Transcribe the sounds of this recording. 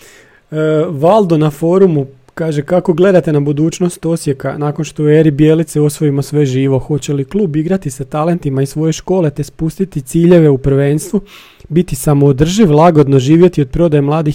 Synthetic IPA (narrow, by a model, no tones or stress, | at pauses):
ʋalˠd̪onafo̞ːɾumu | kaːʒe̞kako̞ɡle̞d̪at̪e̞nabud̪uːt͡ɕno̞st̪o̞sje̞ka̰naːko̞nʃt̪oeɾibjeːlit̪sio̞sʋo̞imo̞sʋe̞ʒiːʋo̞xo̞t͡ɕe̞liklˠuːbiɡɾat̪isat̪ale̞nt̪imaisʋo̞je̞ʃko̞ːle̞t̪e̞spust̪it̪it̪siːʎe̞ʋe̞upr̩ʋeːnst̪ʋu | bit̪isamoːd̪r̩ʒiʋlˠaɡo̞d̪no̞ʒiːʋje̞t̪iod̪̚pɾo̞d̪ajemlˠaːd̪i